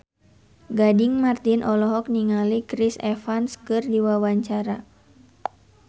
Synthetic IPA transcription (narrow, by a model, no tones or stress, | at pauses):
ɡadɪŋmart̪inʔɔlɔɦɔk̚niŋalikɾisɛfanskɨrdiwawaɲt͡ʃaɾa